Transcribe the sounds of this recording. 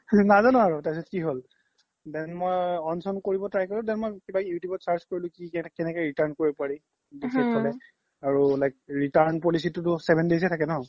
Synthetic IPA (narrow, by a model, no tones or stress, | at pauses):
nazanɔ̃aɹutas̬ɔt̚kiɦol | dɛnmojɔnsɔnkoɹibɔtɹajkɔlɔdɛnmɔjkibajutjubɔtsaɹzkoɹilʊ̃kikɛnɛkɛɹitaɹnkoɹipɔaɹi | disʰɛtʰalɛ | aɹulajk̚ɹitaɹnpɔlis̬itʊtʊsɛbʱɛndes̬ɛtʰakɛnɔɦ